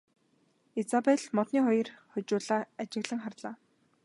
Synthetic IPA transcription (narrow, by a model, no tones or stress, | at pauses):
et͡sapeɮmɔt̪niːχɔj̆rχʊt͡ɕʊːɮaːat͡ɕɪ̆ɣɮə̆ŋχarɮaː